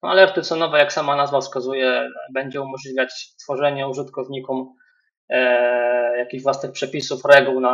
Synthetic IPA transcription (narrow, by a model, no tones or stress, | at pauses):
nɔa̰lɛɾt̪ɘsɔnɔvɛjaksamanazvafskazujɛbɛɲd͡ʑɛumɔʐlʲivʲjat͡ɕt̪fɔʐɛɲɛuʐɘt̪kɔvɲikum | jakʲiʑvwasnɘxpʂɛpʲisufɾɛɡuwna